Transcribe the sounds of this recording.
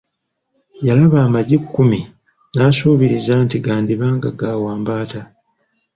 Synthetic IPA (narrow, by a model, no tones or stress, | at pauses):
jalaβaːmaɟikːumi | naːsuːβiɾizaːntiɡaːndiβaːŋɡaɡaːwaːmbaːta